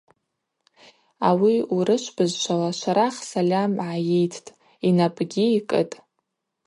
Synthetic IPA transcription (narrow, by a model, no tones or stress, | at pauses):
awiuɾɨʃʷbɨzʃʷʰalaʃʷaɾaχsalʲamʕajejtʰtʼ | inapʼɡʲiikʼɨtʼ